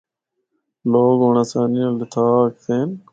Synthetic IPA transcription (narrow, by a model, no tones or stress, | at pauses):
loːɡoːɳasaːnijõːlɪt̪ʰaːkt̪ʰeːn